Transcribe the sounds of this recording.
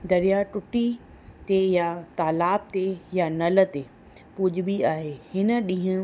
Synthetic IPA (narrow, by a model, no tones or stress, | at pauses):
d̪ɐɾijaʈʊʈi | t̪ejat̪aːlaːb̚t̪ejanɐlə̆t̪e | pʊd͡ʑ̆biaːɦeːhɪnə̆ɗĩɦʊ̃